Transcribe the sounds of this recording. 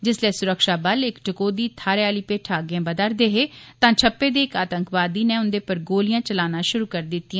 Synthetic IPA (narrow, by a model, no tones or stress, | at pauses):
d͡ʒɪsleːsʊɾəkʃaːbəlɪkʈəkoːd̪iːt̪ʰaːɾjaːliːpeːʈʰaːɡjãːbəd̪əɾd̪eːɦeːt̪ãːt͡ʃʰəpːeːd̪eːɪkaːt̪əŋkʋaːd̪iːneːʊnd̪eːpəɾɡoːlɪjãːt͡ʃəlaːnãːʃʊɾuːkəɾd̪ɪt̪ːiãː